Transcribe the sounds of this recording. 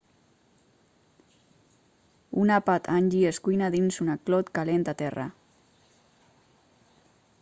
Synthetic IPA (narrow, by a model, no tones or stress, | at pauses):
unapat̪ʰanʲʒieskujnaðinzunaklɔt̪kalent̪at̪ɛra̰